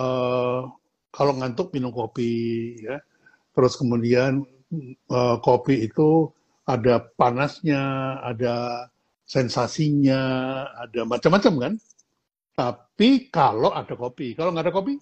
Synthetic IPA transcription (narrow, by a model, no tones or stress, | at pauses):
ə | kaloŋant̪ʊk̚minʊŋkopija | t̪əɾʊskəmudian | əkopiːt̪u | adapanasɲaːda | sɛnsasiɲaːdamat͡ʃamːat͡ʃamkan | t̪apikaloʔadakopikaloʔŋɡadakopi